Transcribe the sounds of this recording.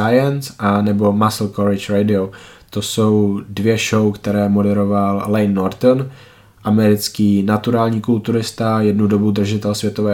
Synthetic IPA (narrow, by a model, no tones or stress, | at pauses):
ajɛnsʔanɛbo̞masl̩koɾɪt͡ʃɾɛjdɪo | t̪oso̞wdvjɛʃowkt̪ɛɾɛːmo̞dɛɾo̞vallɛjnːoɾt̪on | ʔamɛɾɪt͡skiːnat̪uɾaːlɲiːkult̪uɾɪst̪ajɛdnudo̞bud̪r̩ʒɪt̪ɛlsvʲjɛt̪o̞vɛː